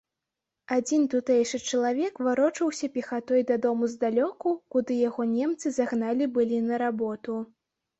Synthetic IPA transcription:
ad͡zʲint̪ut̪ɛjʂɨt͡ʂɐlˠavʲɛkvaɾɔt͡ʂɐwsʲɐpʲixat̪ɔjd̪ɐd̪ɔmuzd̪alʲɔkukud̪ɨjaɣɔnʲɛmt̪sɨzaɣnalʲibɨlʲinɐɾabɔt̪u

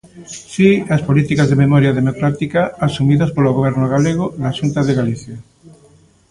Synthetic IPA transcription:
siaspolit̪ikazðememɔɾjaðemokɾat̪ikaasumiðaspoloɣoβ̞ɛɾnoɣaleɣ̞onaʃunt̪aðeɣaliθja

